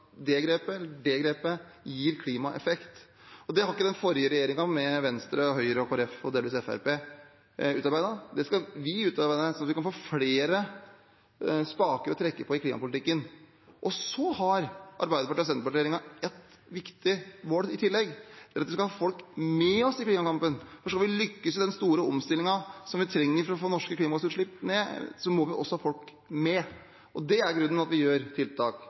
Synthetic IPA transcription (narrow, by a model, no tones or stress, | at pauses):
d̪ɛɡɾeːpəɛlːəɖɛɡɾeːpəjiːɾkʰliːmɑʔɛ̰fɛkt̪ | ɔd̪ɛhɑɾɪkːəd̪ɛnfɔɾɪəɾɛjeːɾɪŋɑmɛʋɛnst̪ɾəɔɦœʏɾəɔkʰoɾɛfɔd̪eːlʋiːsɛfæ̰ɾpeː | ʉːt̪ɑɾbæɪd̪ɑd̪ɛskɑʋɪʉːt̪ɑɾbæɪd̪əsɔmɑt̪ʋɪkɑnfoːfleːɾə | spɑːkəɾɔt̪ʰɾɛkːəpʰɔɪkʰliːmʔɑpʊlɪt̪ɪkːən | ʔɔsɔhɑɾʔɑ̰ɾbæɪd̪əpɑʈiːɔsɛnəpɑʈeːɾɪŋɑɛt̪ | ʋɪkt̪ɪmoːlɪt̪ʰɪlːɛɡːd̪æɾɑt̪ʋɪskɑlhɑːfɔlkmɛɔsɪkliːmɑkɑmpənfɔʂkɑlʋɪlʏkːəsd̪ɛnst̪uːɾəɔmst̪ɪlɪŋɑsɔmʋɪt̪ʰɾɛŋːəɾfɾɔɔfoːnɔʂkəkʰliːmɑt̪uːɾəʂɭɪpːneːsɔmɔʋɪʔɔ̰sːɔhɑːfɔlk | mɛ | ʔɔd̪ɛæɾɡɾʉnːəɑt̪ʋɪjøːɾt̪ʰɪlt̪ʰɑːk